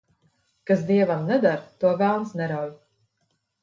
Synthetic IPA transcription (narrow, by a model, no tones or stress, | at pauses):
kasd̪iɛvamnɛd̪aɾt̪uɔvælˠnsnɛɾawj